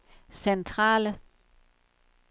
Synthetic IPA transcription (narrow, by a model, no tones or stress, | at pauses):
sent͡sʰʁɑ̰̈ːlə